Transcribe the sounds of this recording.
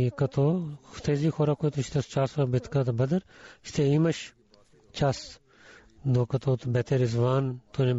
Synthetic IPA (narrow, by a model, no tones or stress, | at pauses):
kɐt̪oːt̪ʰeːziːxʰoːɾaːkoːit̪uʃt̪est͡ʃaːsʋaːbɪt̪ʰkãːt̪ɐbɐd̪ɐɾʃt̪ʰeːimɐʃ | t͡ʃaːs | d̪oːkɐt̪oːt̪bɛt̪ʰeːɾɪzʋaːnt̪onẽ